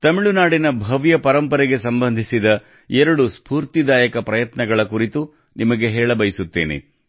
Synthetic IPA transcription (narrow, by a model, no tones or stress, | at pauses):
t̪ɐmiɭunaːɽinɐbʱɐʋjɐpɐɾɐmpɐɾɛɡe̞sɐmbɐnd̪ʱisid̪ɐ | ɛɾɐɽuspuːɾt̪id̪aːjɐkɐpɾɐjɐt̪nɐɡɐɭɐkuɾit̪u | nimɐɡe̞ɦɛːɭɐbɐjisut̪ːeːnḛ